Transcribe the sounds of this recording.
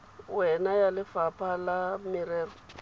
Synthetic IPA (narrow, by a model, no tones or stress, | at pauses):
wɛnajalɪfapʰʼalamɪɾɛːrɔ